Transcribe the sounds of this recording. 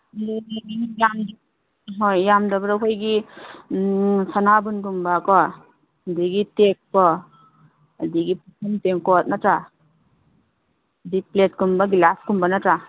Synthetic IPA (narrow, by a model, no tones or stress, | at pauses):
jamdi | ɦojjamdɔbɾɔkʰojɡi | sanabunɡumbakɔ | diɡitek̚pɔː | diɡipʰusʰɔnteŋkɔt̚natɾa | diplet̚kumbaɡilaskumbanatɾa